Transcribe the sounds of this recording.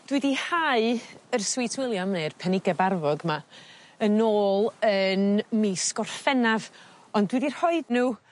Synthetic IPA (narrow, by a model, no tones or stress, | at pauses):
d̥wɨdihaɨərswɪjtʰwɪlˠjamnerpʰɛnɪɡabarvɔɡma | ənoːlˠənmiskɔrfɛnav | ɔndwɨdir̥hɔɨdnuː